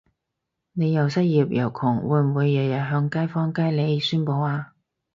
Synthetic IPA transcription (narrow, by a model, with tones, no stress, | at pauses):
ne˨˧jːɐ˨˩wsɐ˥t̚jiː˨p̚jɐ˨˩wkʰʊ˨˩ŋwuː˨˥jm̩˨˩wuː˨˧jːɐ˨˩jɐ˨˩n̚ɦœː˧ŋkaː˥jfɔː˥ŋkaː˥jle˨˧jsyː˥npo˧waː˧